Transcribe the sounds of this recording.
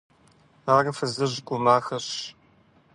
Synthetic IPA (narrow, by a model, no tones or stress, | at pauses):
aːrɐfɐzɐʑɡʷʼʊmaːxɐɕ